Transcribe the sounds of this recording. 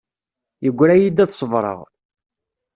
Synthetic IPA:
jəɡʷːɾæjid̪æðsˤəvɾˤə̰ʁ

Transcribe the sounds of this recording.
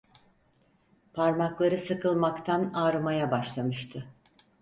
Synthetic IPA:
pʰaɾmaklˠaɾɯsɯkʰɯlˠmakt̪ʰanaːɾɯmajabaʃlˠamɯʃt̪ʰɯ

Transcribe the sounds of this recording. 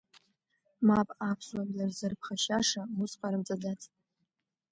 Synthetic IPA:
mapʼapʰswamlarzɨrpʰχaʃaʂausqʼaɾɨmt͡sʼadat͡sʰʼ

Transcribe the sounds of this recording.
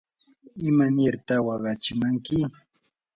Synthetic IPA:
ɪmanɪɾt̪awɑɢɑt͡ʃɪmaŋkɪ

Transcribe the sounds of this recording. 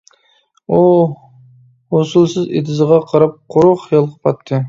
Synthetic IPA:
u | hosulˠsɨzḛd̪ʰɪzəʁɑqʰɑɾɑp̚qʰoɾʊχjɑlˠʁɑpʰɑt̪ʰːɨ

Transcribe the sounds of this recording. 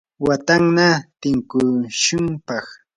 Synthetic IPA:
wat̪aŋnat̪ɪŋkʊʃʊmpɑχ

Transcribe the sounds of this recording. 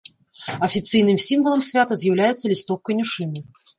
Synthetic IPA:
ɐfʲit̪sɨjnɨmsʲimvɐlˠɐmsʲvʲat̪ɐzʲjawlʲajɛt̪sːɐlʲist̪ɔkːɐjnʲuʂɨnɨ

